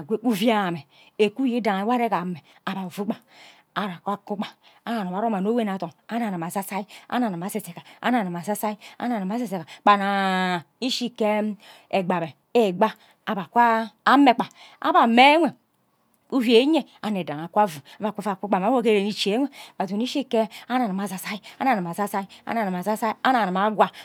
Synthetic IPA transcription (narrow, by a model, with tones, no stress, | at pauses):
ɡe˦u˦vi˦a˦˨me˨ | e˨ku˦ji˦da˨ŋa˨˦wa˦ɾe˦ka˨me˨ | a˦ba˨vu˦k͡pa˨ | a˨ɾa˨kʷa˦ku˦k͡pa˨ | a˦na˨nu˨m˨a˨˦ɾo˦ma˨n˦o˦we˦na˨to˨ŋa˦na˨na˨ma˨sa˦sa˦i˦a̰˦na˨na˨ma˨˦se˦˨se˨ka˨a̰˦na˨na˨m˨a˨sa˦sa˦i˦a̰˦na˨na˨ma˨˦s̬e˨se˨ka˨k͡pa˨na˨ | i˦ʃi˦ke˦m | e˨ɡ͡ba˨be˨ | e˦˨ɡ͡ba˦ | a˨ba˨kʷaː˦me˦k͡pa˨ | a̰˦ba˨me˦ŋʷe˨ | u˦hi˦e˨˦ɲe˦a˨ne˨da˨a˨kʷa˦vu˨a˦ba˨kʷu˦fa˨ku˦k͡pa˨ma˨˦o˦ke˦ɾe˨ni˨t͡ʃe˨˦ŋʷe˦ba˨tu˨ni˦ʃi˦ke˦a˦na˨na˨ma˨za˨sa˦i˦a˦na˨a˨ma˨za˦sa˦i˦a̰˦na˨na˨a˨za˦sa˦i˦a˦na˨na˨ma˦ɡwa˦